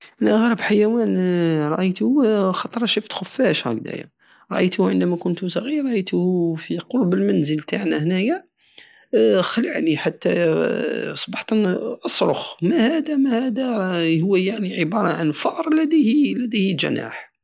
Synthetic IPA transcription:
ʔænæʔəɣɾəbħajæwænɾˤɑʔəjt̪uxɑt̪ˤɾˤɑʃuft̪xʊfːæʃhæɡd̪æ̰ja̰ | ɾˤɑʔəjt̪uʕənd̪æmækʊnt̪us̬ˤɑɣiɾɑʔəjt̪hfiqoɾˤbəlmænzəlt̪ʰaʕnæhnæjæ | xələʕniħat̪ːæ̰ | sˤbɑħt̪ʔɑsˤɾˤo̰xmæhæd̪æmæhæd̪æhʊwːæjaʕniʕəbɑɾˤɑʕanfɑʔɾˤlæd̪ihilːæd̪ihilʒæ̰na̰ħ

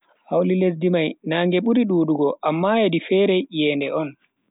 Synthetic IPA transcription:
hawliles̬dimajnaːŋɡɛɓuɾiɗuːɗuɡɔʔamːajedifɛːɾɛjɛːndɛʔɔn

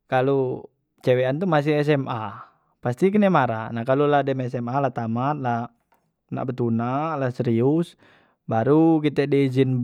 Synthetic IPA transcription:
kalu | t͡ʃɛwɛant̪umas̬ihɛs̬ɛma | past̪ik̬ənɛmaɾa̰nahkaluladɛmɛsɛmalat̪amat̪̚la | na̰ʔbət̪unalasɛɾius | baɾukit̪ɛdɛd͡ʒin

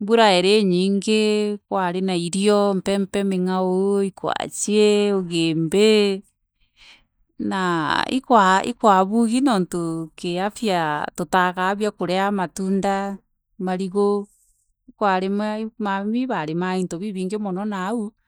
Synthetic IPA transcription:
buɾaeɾeɲiːŋɡekwaɾenaiɾiɔmpɛmpɛmeŋaoikwa̰t͡ʃieoɣeːmbe | naḭkwaḭkwaβuɣinoːntokeafiatotaɣaβjakoɾeamatunda | maɾiɣo | ikwaɾemamamiβaɾemaintoβiβiːŋɡemɔnɔnau

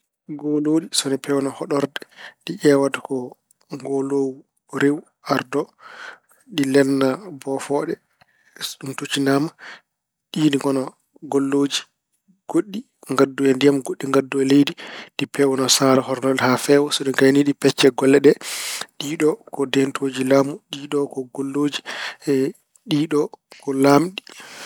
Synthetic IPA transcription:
ŋɡoloːɗisɔnɛpʰɛwnɔhɔɗɔɾdɛɗiʔɛwatḁkɔ | ŋɡɔloːwu | ɾew | aɾdɔ | ɗilɛnːabɔfɔɗɛ | ɗumtut͡ʃinaːma | ɗiniŋɡɔnɔ | ɡɔlːoːd͡ʒi | ɡ̥oɗːi | ŋɡadːuwɛndijamɡoɗːiŋɡadːuwɛlejdiɗipʰɛwɔnɔsaɾahɔɾnɔlɛhafɛwɔsɔɗiɡajniɗipɛt͡ʃːɛɡɔlːɛɗɛɗiːɗɔkɔdɛntʰoːd͡ʒilaːmuɗiɗɔkɔɡolːoːd͡ʒi | ɗiːɗɔkɔlamɗi

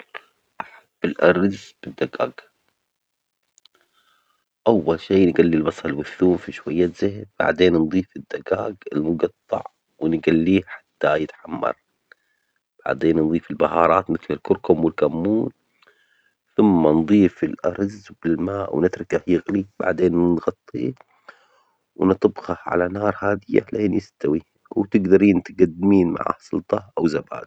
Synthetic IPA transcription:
ʔaħab̥ːɪlʔɑɾˤzb̥ɪd̪ːaɡa̰ːɡ | ʔawːalʃeːnɡalːilbɑsˤlwʊθːuːmfiʃwajːazɪhb̥a̰ʕd̪eːnnd̪ˤiːfɪd̪ːaɡaːɡɪlmʊɡɑt̪ˤːɑ̰ʕ | wɪnɡalːiːħḁt̪ːajɪt̪ħamːɑ̰ɾˤ | b̥a̰ʕd̪eːnnd̪ˤiːfɪlbahɑːɾˤɑːt̪mɪθlɪlkʊɾkʊmwɪlkamːuːn | θʊmːand̪ˤiːfɪlʔɑɾˤzbɪlmaːʔwnɪt̪ɾˤɑkahjɪɣliba̰ʕd̪eːnɣɑt̪ˤːḭː | wɪnɨt̪ˤɑbɣaʕa̰lanɑːɾˤhaːd̪ɪjːa̰lʔeːnjɪst̪awi | wt̪ɪɡd̪ɑɾiːnt̪ɪɡad̪ːɪmiːnma̰ʕa̰hsˤʊ̰lt̪ˤɑʔawzaba̰ːd̪

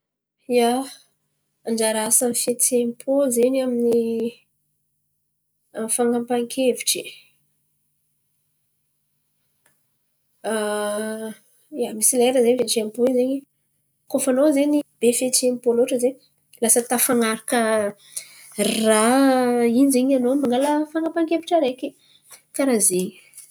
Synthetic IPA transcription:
ja | aɳd͡ʒaɾasanifet͡semipʰozeɲamini | amfaŋampaŋkʰeviʈ͡ʂi | jamisileɾəzeɲveʈ͡ʂiamipozeɲi | kofanozenib̥efet͡ʃiempoloʈ͡ʂəzeɲ | lasət̪afaŋaɾakə | ra | inizeɲanomaŋɡaləfaŋɡampaŋkeviʈ͡ʂəɾeki | kaɾaze

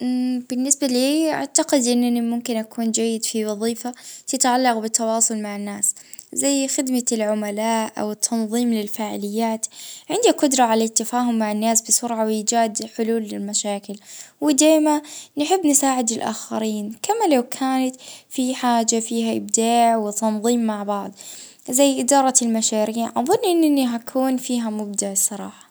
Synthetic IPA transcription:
b̥ɪnːɪsbaliːʔa̰ʕt̪aqɪd̪ʔɪnːanimʊmkɪnʔakʰuːnd͡ʒajːɪd̪fiwɑðˤiːfat̪ɪt̪ʕalːɑqbɪt̪ʰːɑwɑːsˤʊlmaʕɪnːaːszajːxɪd̪malʕʊmalaːʔʔa̰wɪt̪ʰːɑnðˤiːmlɪlfaːʕɪlɪjːaːt̪ʕɪnd̪iqʊd̪ɾˤɑʕalat̪ːafaːɦʊmːaʕɪnːaːsbɪsʊɾʕawɪjɪd͡ʒaːd̪ħʊluːlːɪlmaʃaːkɪlwɪd̪aːmanɪħɪbːnɪsaːʕɪd̪ɪlʔa̰ːxaɾiːnkamalawkʰaːnat̪fiħaːd͡ʒafiːɦaʔɪ̰bd̪aːʕwɪt̪ɑnðˤiːmːaʕbɑʕd̪ˤ | zajːʔɪd̪ɑːɾˤɑɪlmaʃaːɾiːʕʔɑðˤʊnːʔɪnːʔɪnːiɦakʰuːnfiːɦamʊb̚d̪aʕsˤɑɾˤɑːħɑ̥

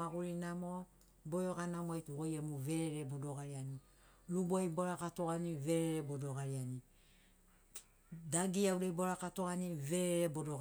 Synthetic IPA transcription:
aɡuɾinamo | bojoɡanamoajtuojemuve̞ɾeɾebodoɡaɾiani | ɾubuajboɾakatoɡaniveɾeɾebodoɡaɾiani | daɡiauɾejboɾakato̞ɡaniveɾeɾebodoɡ

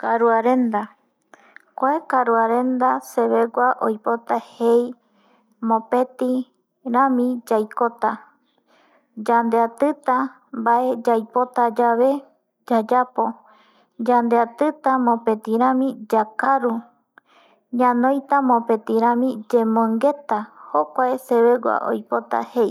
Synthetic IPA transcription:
kaɾuaɾe̞nd̪a | kʷaekaɾuaɾe̞nd̪ase̞βe̞ɡʷaʔojpo̞t̪ahej | mõpet̪i | ɾãmĩd͡ʒajkot̪a | d͡ʒand̪eat̪ɨt̪a | mbaʔe̞d͡ʒajpo̞t̪ad͡ʒaβe̞ | d͡ʒad͡ʒapo̞ | d͡ʒand̪eat̪ɨt̪amõpe̞t̪iɾãmĩd͡ʒakaɾu | ɲãnõjt̪amõpe̞t̪iɾ̃ãmĩd͡ʒemõŋɡe̞t̪ahokʷaeseβeɡwa̰ʔo̰jpo̞t̪a̰he̞j

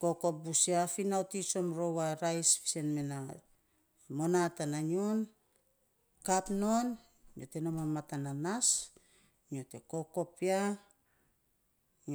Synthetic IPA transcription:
ko̞ko̞p̚busiafinaotiso̞mɾo̞waɾajsfi̥se̞nmena | mo̞natananion | kapno̞n | ɲʔote̞namamatananas | no̞te̞ko̞ko̞pia

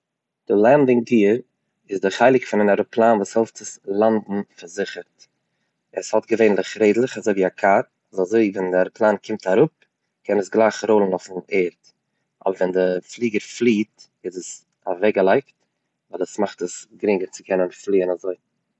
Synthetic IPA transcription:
d̥ɪlˠandɪŋdiːəɾ | ɪzdɪχaɪlˠɪkfɪnɪnaɾʊplˠaːnvuːshɛlˠftz̥əslˠandn̩faɾzɪχəɾt | əshɔtɡəveɪnlˠɪχɾeɪdlˠɪχazoɪviːakʰat | azazoɪvɛndaɾplˠaːnkʰɪmtaɾʊp̚ | kɛnəsɡlˠaɪχɾoʊlˠənʊfn̩eːɾt | ʔɔ̰bəɾvɛndɪflˠiːɡəɾflˠiːt | ɪzəs | avɛɡəlˠaɪkt | vaɪlˠəsmaχtəsɡɾɪŋəɾt͡sɪkʰɛnənflˠiːənazoɪ

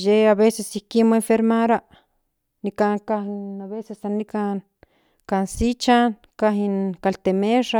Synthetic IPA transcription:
jeaβesesikimoeɱfeɾmaɾaʔ | nikaŋkahinaβesesanikan | kansit͡ʃan | kaɦinkalt̪emeʂa

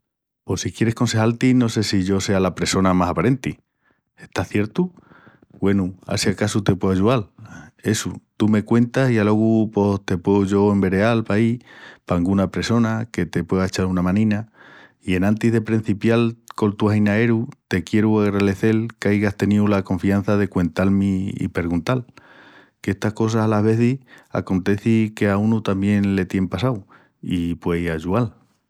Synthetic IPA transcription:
po̞sikje̞ɾe̞hko̞nse̞halt̪ino̞se̞siʝo̞se̞alapɾe̞so̞namasapaɾe̞nt̪i | e̞ht̪aθje̞ɾt̪u | ɡwe̞nua̰sjakasut̪e̞pwe̞aʝuale̞sut̪ume̞kwe̞nt̪asialo̞ɣupo̞st̪e̞pweuʝo̞e̞mbe̞ɾe̞alpaipaŋɡunapɾe̞so̞nake̞t̪e̞pwe̞ðaet͡ʃalunamãnĩna | ie̞nãnt̪iɦðe̞pɾin̟θipjalko̞lt̪uahinae̞ɾut̪e̞kje̞ɾuaɣɾaðe̞θe̞lkajɣast̪e̞niulako̞ɱfian̟θaðe̞kwe̞nt̪almiḭpe̞ɾɣunt̪al | kee̞st̪ahko̞s̬asalaɦβe̞θia̰ko̞nt̪e̞θike̞aunut̪ambje̞nle̞t̪je̞mpasaw | ipwe̞jaʒual

